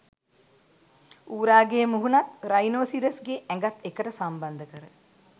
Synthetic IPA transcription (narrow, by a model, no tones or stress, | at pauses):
uːɾaːɡeːmuɦunat̪ɾajnoːsiɾəsɡeʔæŋɡat̪ekəʈəsamband̪əkəɾə